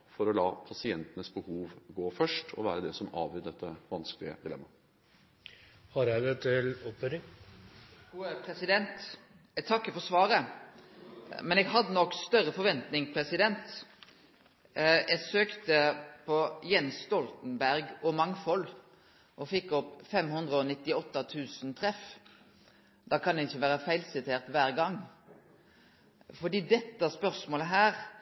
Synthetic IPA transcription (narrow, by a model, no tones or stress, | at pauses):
fɔɾɔlɑːpʰɑsɪɛnt̪ənəsbəhuːʋɡoːfœʂʈʰɔ̰ʋæːɾəd̪ɛsɔmɑ̰ːʋʏd̪ɛt̪ʰːəʋɑnsklɪə̰d̪ɪlɛ̰mːɑ | hɑɾjæɪd̪ɛt̪ʰɪlɔphœɾɪŋ | upʰɾɛsɪd̪ɛnt̪ | t̪ʰɑkːəfɔɾsʋɑːɾə | mɛnɛɡɦɑd̪ːənɔkːst̪œɾəfɔɾʋɛnt̪nɪŋpʰɾɛsɪd̪ɛnt̪ | ɛɡsøːkt̪əpʰɔjɛnsst̪ɔlt̪n̩bæɾɡɔmɑŋfɔl | ʔɔfɪkːɔpːfɛmhʉnd̪ʁəɔnɪt̪ːɪɔt̪ːɑt̪ʰʉːsənt̪ʰʁɛf | d̪̥ɑːkʰɑnd̪ɛɪçːəʋæːɾəfæɪlsɪt̪ʰeːʁt̪ʋæːɾɡɑŋː | fɔʁd̪iːd̪ɛt̪ːəæspœʁsmoːləɦæːʁ